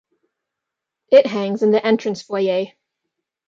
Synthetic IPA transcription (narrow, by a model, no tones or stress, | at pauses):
ɪʔɦæ̃ŋzɪ̃nðiʔɛ̃nt͡ʃɹ̥ə̃nsfɔjeɪ